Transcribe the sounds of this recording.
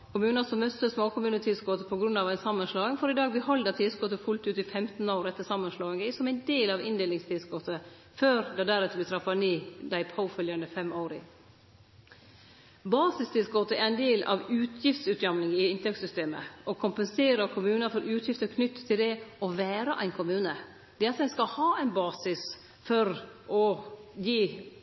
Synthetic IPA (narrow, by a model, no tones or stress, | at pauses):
kʰʊmʉːnɑsɔmːœst̪ːəsmoːkʰʊmʉːnət̪ʰɪsɡoːt̪əpʰɔɡɾʉnɑːʋæɪnsɑmːənslɑːɪŋfɔɾɪd̪ɑːɡ̚bəhɔld̪ət̪ʰɪsɡɔt̪əfʉlt̪ʉːt̪ɪfɛmt̪n̩oːɾɛt̪ːəsɑmːənslɑːɪŋəsɔmæɪnd̪eːlɑʋɪ̰nd̪eːlɪŋst̪ʰɪsɡot̪ə | føːɾd̪ɑd̪æɾɛt̪ːəbɪt̪ʰɾɑfɑniːd̪æɪpʰaʊfœljɑnəfɛmoːɾɪ̰ | bɑːsɪst̪ʰɪlsɡɔt̪əæɾæɪnd̪eːlɑ̰ʋʉːt̪ʰjɪft̪sʉːt̪jɑmnɪŋɪɪnt̪ʰɛksʏst̪eːmə̰ʔɔkʰʊmpənseːɾəɾkʰʊmʉːnɑfɔɾʔʉːt̪ʰjɪft̪əɾkʰnʏt̪ːt̪ʰːɪld̪ɛɔʋæːɾəʔæɪnkʰʊmʉːnə | d̪̥ɛɑt̪̚d̪ɛɪnskɑhɑːæɪnbɑːsɪs | fɔɾʔɔjiː